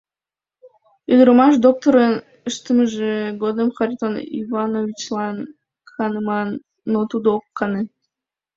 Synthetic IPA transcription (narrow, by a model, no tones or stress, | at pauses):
id̪ɾomɑʃ̬d̪ok̚t̪oɾən | əʃt̪əməʒeɡod̪əmxɑɾʲit̪onḭvɑnovʲit͡ɕlˠɑn | xɑnəmɑnː | ot̪ud̪oːkːɑne